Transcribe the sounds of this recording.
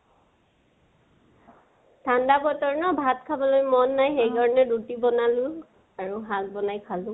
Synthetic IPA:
tʰandabɔtɔɹnɔbʱatkʰabɔlojmɔnːajxejdʱɔɹɔnɛdutibɔnalʊ̃ | aɹuɦal̚bɔnajkʰalʊ̃

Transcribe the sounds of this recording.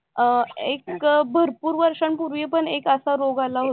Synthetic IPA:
ekbʱəɾpuːɾʋəɾʂəɳpuɾʋepəɳekəsaɾoɡalaɦo

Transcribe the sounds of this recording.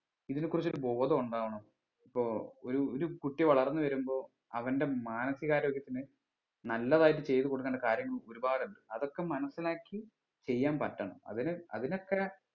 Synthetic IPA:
iðinɨkːurit͡ɕːoɾubo̞ːðɐuɳɖaːʋɐɳɐm | ipːo̞ːɭoɾuoɾukuʈːiʋɐɭɐrnːɨʋɐɾumbo̞ː | ɐ̰ʋɐnde̞maːnɐsiɣaːɾoːɡjɐt̪ːinɨ | nɐlːɐðaːjit̬ːɨt͡ɕe̞jt̪ɨko̞ɽukːɐɳɖɐkaːɾjɐŋːɐɭoɾubaːɽuɳɖɨɐðo̞kːe̞mɐnɐsːilaːkːi | t͡ɕe̞jːaːnpɐtːɐɳɐ̰mɐ̰ðinɨɐ̰ðino̞kːe

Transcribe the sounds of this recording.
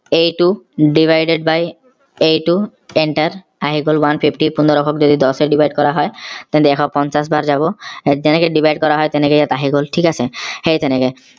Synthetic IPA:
ejʈuɖibʱajɖeɖ̚baj | ejʈu | eɳʈaɾ | aɦiɡolwanpʰipʰʈipund̪oɾɔkʰokd͡ʑod̪id̪ɔseɖibʱajɖ̚kɔɾaɦɔet̪ɛ̃nt̪eɛkʰɔpɔnt͡ɕasbaɾd͡ʑaboed͡ʑɛnekeɖibʱajɖkɔɾaɦɔet̪enekejat̪aɦiɡolʈʰikasʰehejt̪ɛneke

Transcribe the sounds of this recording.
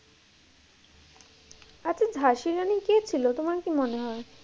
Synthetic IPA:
at͡ɕʰed͡ʑʱaʃiɾaniket͡ɕʰilot̪omaɾkimoneɦɔe

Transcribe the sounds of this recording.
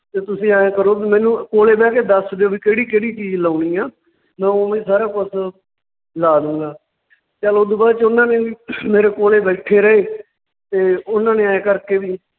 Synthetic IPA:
t̪eːt̪ʊsĩːaːãːkəɾoːbiːmɛ̃ːnũːkoːleːbɛːkeːd̪əsd͡ʒoːʋiːkeːɽiːkeːɽiːt͡ʃiːd͡ʒlaːñiːaː | mɛ̃ːoːmẽːsaːɾaːkʊs | laːd̪ũːɡaː | t͡ʃaloːd̪uːbaːd̪t͡ʃʊnãːneːiːmeːɾeːkoːleːbɛːʈʰeːɾəeː | t̪eːʊnãːneːaːãːkəɾkeːʋiː

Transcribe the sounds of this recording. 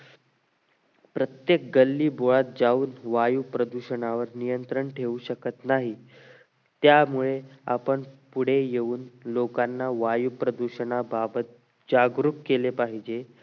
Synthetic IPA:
pɾət̪jek̚ɡəlːiːboɭat̪̚d͡zauːnʋajupɾəd̪uɕəɳaʋəɾnijənt̪ɾəɳʈʰeuːɕəkət̪naɦi | t̪jamuɭeapəɳpuɽ̤ejeuːnlokanːaʋajupɾəd̪uɕəɳababət̪̚ | d͡ʑaɡɾukkːelepaɦid͡ʑe

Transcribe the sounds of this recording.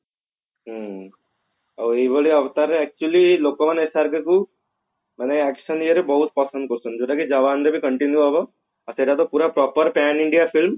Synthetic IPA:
ɦə | ɐʋeʋəɭiɐʋt̪aɾːeɛk̚t͡ʃuəliloːkəʋanesaɾkeku | mɐneɛkʃəniəɾebɐɦut̪̚pɐsə̃nd̪kosund͡ʒuʈ̪akid͡ʒɐʋaːnɾebʱikəɳʈinjuɦaʋə | ɐseʈat̪opuːɾapɾɔːpəɾpaːniɳɖijafilm

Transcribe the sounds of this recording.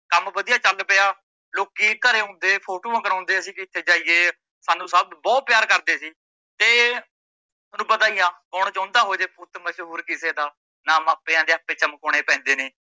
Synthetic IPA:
kəmbəd̪ijaːt͡ʃəlpeaː | loːkiːkəɾeːɦõːnd̪eːpʰoːʈoːãːkəɾãːnd̪eːəsĩːkɪt̪ʰːeːd͡ʒaːiːeː | saːnũːsəbbɔːt̪̚pjaːɾkəɾd̪eːsiː | t̪eː | nũːbət̪aːijãːkɔːɳ̃t͡ʃɔ̃ːnd̪aːɦoːd͡ʒeːpʊt̪məʃɦuːɾkɪseːd̪aː | naːmaːpeːãːd̪eːaːpeːt͡ʃəmkoːɽ̃eːpɛ̃ːnd̪eːneː

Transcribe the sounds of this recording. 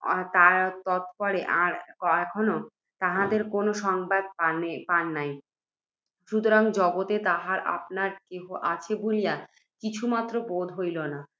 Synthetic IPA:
t̪aɾt̪ɔt̪̚pɔɾeʔaɾkɔɛkʰono | t̪aɦad̪eɾkonoʃɔŋbad̪̚panepanːaj | ʃut̪oɾaŋd͡ʑɔɡot̪et̪aɦaɾa̰pnaɾkeɦoʔat͡ɕʰebolija | kit͡ɕʰumat̪ːɾobod̪ʱɦojlona

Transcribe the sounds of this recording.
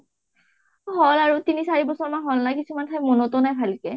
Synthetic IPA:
ɦɔlaɹutinisaɹibɔsɔɹmaɦɔlnajkisumantʰajmɔnotonajpʰalkɛ

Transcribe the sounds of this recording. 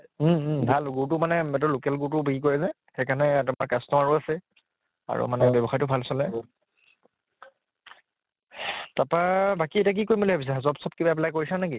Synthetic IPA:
bʱalɡutʊmanɛɛt̬ɔlokɛlɡutʊbeɡik̬oɹɛzɛ | xejkanɛtamaɹkastɔaɹuasɛ | a̰ɹṵmanɛbɔbɔxaɹjtʊbʱalsɔlɛ | tapabakietak̬ikojmboliabis̬azɔpsɔb̚kibaɛp̬lajkoɹisanaki

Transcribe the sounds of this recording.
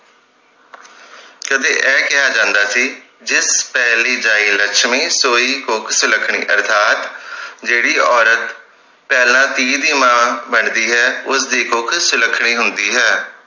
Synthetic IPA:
kəd̪eːʔɛːkɪjaːd͡ʒãːnd̪aːsiː | d͡ʒɪspɛːliːd͡ʒaːiːləkʃmĩːsoːiːkʊkʰsʊləkʰɳ̃ḭːʔə̰ɾt̪ʰaːt̪d͡ʒeːɽiːɔːɾət̪ | pɛːlãːt̪iːd̪iːmãːbəɳd̪iːɦɛːʊsd̪iːkʊkʰsʊləkʰɳ̃iːɦʊnd̪iːɦɛː

